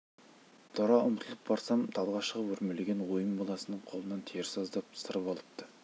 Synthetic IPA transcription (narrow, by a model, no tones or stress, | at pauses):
d̪̥ʰoɾɑʊmt̪ʰəlˠəp̚bɑɾsɑmt̪ʰɑlˠʁɑʃəʁəpwɵɾmele̞ɡʲenwojəmbolˠɑsənəɴqʰo̞lˠənɑnt̪ʰeɾsɑzd̪ɑpsəɾəpɑlˠəp̚t̪ə